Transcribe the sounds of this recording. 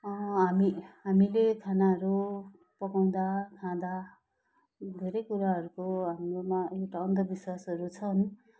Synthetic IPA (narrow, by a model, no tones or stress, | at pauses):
ʌɦamiɦamilekʰanaɦʌɾu | pʌkaw̃d̪akʰãd̪a | d̪ʱeɾʌjkuɾaɦʌɾukoɦamromaewʈaʌnt̪ʌbiswasɦʌɾut͡sʰʌn